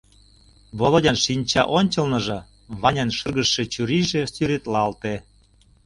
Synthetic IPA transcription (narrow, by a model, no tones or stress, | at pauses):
βolˠodʲɑnʃinʲt͡ɕɑʔonʲt͡ɕɤ̆lnɤ̆ʒɤ̆ | βɑnʲɑnʃɤrɣəʃːet͡ɕyɾiʒesyɾet̪lɑlt̪e